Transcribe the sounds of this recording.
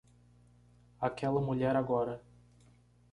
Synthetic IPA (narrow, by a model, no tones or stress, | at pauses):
akɛlɐmuʎɛɾaɡɔɾɐ